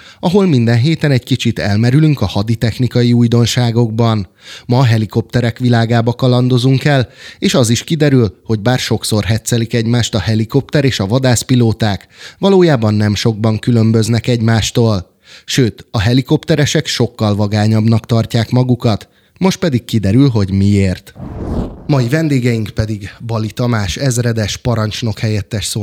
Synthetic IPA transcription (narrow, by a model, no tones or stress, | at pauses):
ɒɦo̞lmind̪ɛnɦeːt̪ɛnɛɟkit͡ʃit̪ɛlmɛɾylyŋkɒhɒd̪it̪ɛxnikɒjiujd̪o̞nʃaːɡo̞ɡ̚bɒn | mɒɦɛliko̞p̚t̪ɛɾɛkʋilaːɡaːbɒkɒlɒnd̪o̞zuŋkɛleːʃɒziʃkid̪ɛɾylho̞ɟbaːrʃo̞kso̞rɦɛt̪sɛlikɛɟmaːʃt̪ɒhɛliko̞p̚t̪ɛɾeːʃɒvɒd̪aːspiloːt̪aːkʋɒloːjaːbɒnːɛmʃo̞ɡ̚bɒŋkylø̞mbø̞znɛkɛɟmaːʃt̪oːl | ʃøːt̪ɒɦɛliko̞pt̪ɛɾɛʃɛkʃo̞kːɒlvɒɡaːɲɒbnɒkt̪ɒrcaːkmɒɡukɒt̪ | mo̞ʃt̪̚pɛd̪ikkid̪ɛɾylɦo̞ɟmieːrt̪ | mɒjivɛnd̪eːɡɛjiŋkpɛd̪iɡbɒlit̪ɒmaːʃɛzrɛd̪ɛʃpɒɾɒnt͡ʃno̞khɛjɛt̪ːɛʃsoː